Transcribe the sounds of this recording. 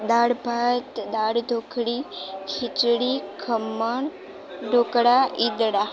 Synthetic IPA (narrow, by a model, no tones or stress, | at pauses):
d̪aɽbʱat̪d̪aɽd̪ʱokʰɽikʰit͡ʃɽikʰəmːəɳ | ɖokɽaʔid̪ɽa